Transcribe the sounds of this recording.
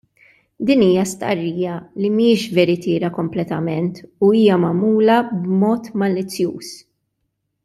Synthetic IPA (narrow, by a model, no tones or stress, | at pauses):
d̪iːniːjɐst̪ɐ̰rːiːjɐlimiɪːʃvɛɾɪt̪ɪːɾɐkɔmplɛt̪ɐmɛnt̪uiːjɐmɐmuːlɐbmɔːt̪mɐlɪt͡sːjuːs